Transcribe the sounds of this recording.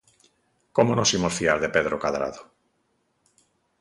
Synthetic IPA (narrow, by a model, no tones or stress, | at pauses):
komonosimosfiaɾðepe̞ð̞ɾokaðɾa̰ðo